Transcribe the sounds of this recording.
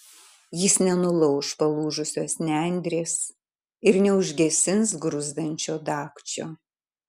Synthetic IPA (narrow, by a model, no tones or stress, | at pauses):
jɪsnʲɛnʊlˠɔʊʃpɐlˠuːʒʊsʲoːsnʲænʲd̪ʲɾʲeːs | ɪɾnʲɛʊʒʲɡʲɛsʲɪnsɡɾʊzd̪ɐnʲt͡ʃʲoːd̪ɑːkt͡ʃʲo̰ː